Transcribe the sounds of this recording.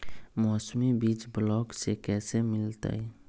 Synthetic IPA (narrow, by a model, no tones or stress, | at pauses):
mɔːsmibiːt͡ʃblɔːksekɛːsemɪlt̪a̰ɛ